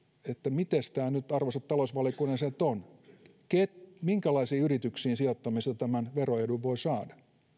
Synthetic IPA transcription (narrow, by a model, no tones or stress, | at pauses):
et̪ːæmit̪est̪æːnyt̪ɑrʋosɑt̪t̪ːɑlosʋɑliokuneset̪on | ket̪miŋkælɑisiːyrit̪yksiːnsiot̪ːɑmist̪ɑt̪æmænʋeroeduʋʋoisɑːdɑ